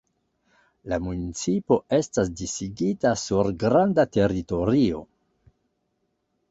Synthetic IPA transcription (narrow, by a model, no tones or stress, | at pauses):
lamunit͡sipo̞e̞stasdisiɡitasuɾɡɾandate̞ɾito̞ɾio̞̰